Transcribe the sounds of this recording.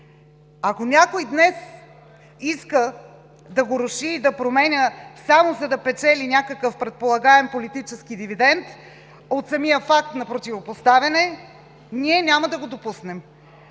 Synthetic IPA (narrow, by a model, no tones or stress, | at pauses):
akonʲakojd̪nɛs | iskə | d̪ɐɡoɾʊʃiːd̪ɐpɾomɛnʲəsamozɐd̪ɐpɛt͡ʃɛlʲinʲakəkəfpɾɛt̪̚polˠɐɡaɛmpolit̪it͡ʃɛskid̪ivid̪ɛnt̪ | ot̪sɐmijəfak̚t̪nɐpɾot̪ʲivopost̪avʲɐnɛ | nʲiɛnʲaməd̪ɐɡod̪opusnɛm